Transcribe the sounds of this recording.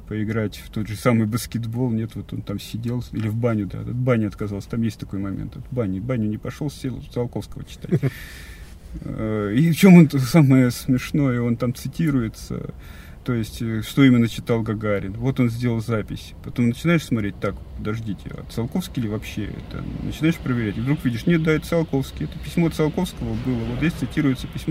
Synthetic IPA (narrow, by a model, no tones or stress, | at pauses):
pəɪɡɾatʲft̪o̞d̪ʐɨsamɨjbəskʲɪd̪bo̞lˠnʲe̞t̪vo̞t̪o̞nt̪amsʲɪdʲe̞lˠilʲɪvbanʲʊd̪a̰t̪ɐt̪̚banʲɪɐt̪kɐzɑlˠsʲə̥t̪amjesʲtʲt̪ɐko̞jmɐmʲḛnt̪ɐt̪banʲɪbanʲʊnʲɪpɐʂolˠsʲdʲelˠzɐlˠko̞fskəvət͡ɕɪ̥t̪a̰t̚ʲ | ift͡ɕo̞monsaməjəsmʲɪʂno̞jəo̞nt̪amt̪sɨtʲiɾʊjɪt̪sə̰ | t̪o̞jɪsʲtʲʂt̪o̞imʲɪnːət͡ɕɪ̥t̪alˠɡɐɡaɾʲɪnvo̞t̪o̞nzʲdʲeləlˠzapʲɪsʲpɐt̪o̞mnət͡ɕɪnajɪʂsmɐt̪ɾʲet̚ʲt̪akpəd̪ɐʐdʲitʲɪ̰ɐ̰t̪sɐlˠko̞fskʲɪlʲɪvɐpɕːḛɛ̰t̪ə̰nə̰t͡ɕɪnaɪʂpɾəvʲɪɾʲætʲɪvd̪ɾukvʲidʲɪʂnʲet̪̚d̪aɛt̪sɐlˠko̞fskʲɪɛt̪əpʲɪsʲmot̪sɐlˠko̞fskəvəbɨlˠəvozʲesʲt̪sɨtʲiɾʊjɪt̪səpʲɪsʲmo